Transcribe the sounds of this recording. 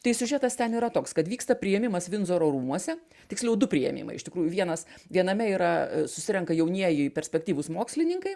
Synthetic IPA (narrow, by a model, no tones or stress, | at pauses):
t̪ɐɪsʲʊʒʲɛt̪ɐst̪ʲɛniːɾɐt̪oːkskɐt̪ʋʲiːkst̪ɐpʲɾʲɪjɛmʲɪmɐsʋʲɪnzoːɾoːɾuːmuɔsʲɛ | t̪ʲɪksʲlʲɛʊd̪ʊpʲɾʲɪjɛ̰mʲḭːmɐ̰ɪɪʃt̪ʲɪkɾuːjʊʋʲiɛnɐsʋʲiɛnɐmʲɛiːɾɐsʊsʲɪɾʲɛŋkɐjɛʊnʲiɛjɪpʲɛɾʲsʲpʲɛk̚t̪ʲiːʋʊsmoːksʲlʲɪnʲɪŋkɐɪ